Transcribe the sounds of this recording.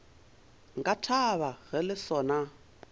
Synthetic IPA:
ŋɡatʰaβaɣɛlɪsɔːna

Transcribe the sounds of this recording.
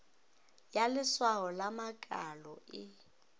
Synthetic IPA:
jalɪswaɦɔlamakʼalɔɪ

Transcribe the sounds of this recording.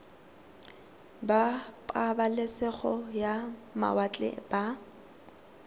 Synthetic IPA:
bapʼabalɛsɛχɔjama̰wat͡ɬʼɛ̰b̥a

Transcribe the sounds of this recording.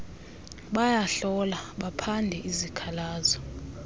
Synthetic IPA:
ɓajaɬɔlaɓapʰandʱɛʔizikʰalaːzɔ

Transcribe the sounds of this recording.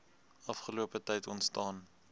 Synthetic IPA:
ɐfχəluəpətɛjtɔntstɑːn

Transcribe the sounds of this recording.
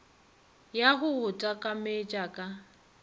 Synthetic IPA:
jaɦʊʊtʼakʼamet͡ʃʼakʼa

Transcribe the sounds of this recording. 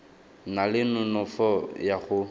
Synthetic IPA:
nalɪnʊnɔfɔjaɣʊ

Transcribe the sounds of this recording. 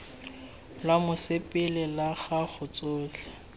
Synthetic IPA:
lamʊsepʼɪlɪlaɣaχʊt͡sʼoːɬʰɛ̥

